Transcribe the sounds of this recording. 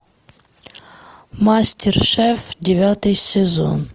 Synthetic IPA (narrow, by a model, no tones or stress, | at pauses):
masʲtʲɪrʂɛfdʲɪvʲat̪ɨjsʲɪzo̰n